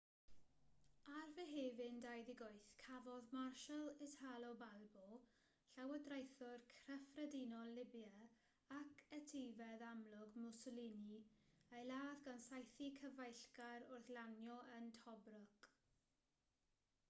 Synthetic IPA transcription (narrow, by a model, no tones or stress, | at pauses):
arvɛɦeːvɪndajðɪɡojθkʰavɔðmarʃəlˠɪtʰalˠɔbalbɔ | ɬawədrajθʊrkʰrɛfrɛdinɔlːɪbja | akʰɛtʰejvɛðamlʊɡmʊsɔliniejlaːðɡansajθikʰəvajɬkaɾʊrθlanjɔʔəntʰɔbrʊk